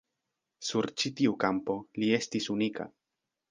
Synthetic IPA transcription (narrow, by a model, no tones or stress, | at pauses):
suɾt͡ʃitiukampo̞lie̞stisunika̰